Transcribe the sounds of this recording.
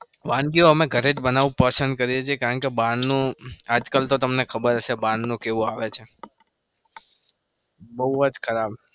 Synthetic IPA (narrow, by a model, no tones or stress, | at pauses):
ʋãnɡioəmeɡʱəɾed͡ʒbənaʋũpəsənd̪̚kəɾiet͡ʃʰiekaɾəɳkebãnnũad͡ʒkəlt̪ot̪əmnekʰəbəɾəʃebãnnũkeʋũaʋet͡ʃʰe | bəɦuəd͡ʒkʰəɾab